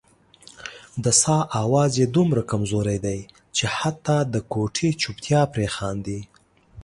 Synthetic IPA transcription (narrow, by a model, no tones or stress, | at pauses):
d̪əsɑʔawɑzed̪umɾakamzoɾajd̪aj | t͡ʃehat̪ːɑd̪əkoʈʰit͡ʃupt̪ʰjɑpɾexɑnd̪i